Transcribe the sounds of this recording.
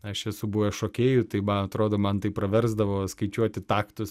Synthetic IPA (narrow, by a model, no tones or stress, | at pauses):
ɐʃiɛsʊbʊʋɛʃoːkʲeːjʊt̪ɐɪmɐɐt̪ɾoːd̪oːmɐnt̪ɐɪpːɾɐʋʲɛɾzd̪ɐʋoːskɐɪt͡ʃʲuɔt̪ʲɪt̪ɑːkt̪ʊs